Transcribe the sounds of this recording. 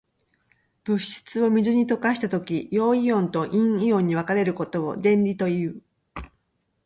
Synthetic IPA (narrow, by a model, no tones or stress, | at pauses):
b̥ɯ̟ɕi̥t͡sɨo̞mʲizɨɲ̟it̪o̞kaɕi̥t̪at̪o̞kʲijo̞ːiõ̞nt̪o̞ʔĩɰ̃iõ̞ɲ̟ːiβakaɾe̞ɾɯ̟ko̞t̪o̞o̰d̪ẽ̞nɾʲit̪o̞jɯ̟ː